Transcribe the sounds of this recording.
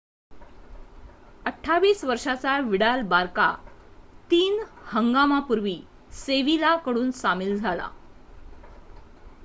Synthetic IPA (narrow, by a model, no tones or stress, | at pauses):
əʈʰːaʋiːsʋəɾʂat͡saʋiɽalbaɾka̰t̪iːnhəŋɡamapuɾʋiː | seʋilakəɽuːnsamiːld͡zʱala̰